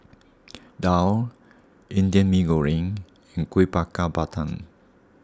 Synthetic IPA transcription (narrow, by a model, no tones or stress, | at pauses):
daw | ʔindiənmĩɡoɹĩŋ | iŋkuipakabat̪an